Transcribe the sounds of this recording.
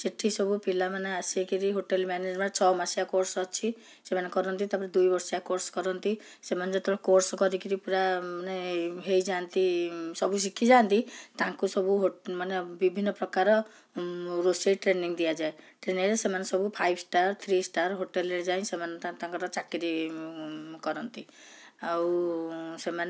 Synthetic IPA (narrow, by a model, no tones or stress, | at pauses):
siʈʰisɔbupilamaneasikiɾiɦoʈelmaned͡ʒmant͡ʃʰɔmasiakoɾsɔt͡ʃʰi | semanekɔɾɔnt̪it̪apɔɾed̪ujbɔɾsiakoɾsɔ̥kɔɾɔnt̪i | semaned͡ʒɔt̪ɔɽakoɾsɔkɔɾikiɾipuɾamaneɦejd͡ʒant̪isɔbus̬ikʰid͡ʒant̪it̪ãŋkusɔbuɦomanebibʱinːɔpɾɔkaɾɔ | ɾoseʈɾeniŋd̪ijad͡ʒaeʈɾeniŋɾesemanesɔbupʰajbsʈaɾt̪ʰɾisʈaɾɦoʈeleɾed͡ʒaĩsemaneat̪ãŋkɔɾɔt͡ʃakiɾi | kɔɾɔnt̪i | awseman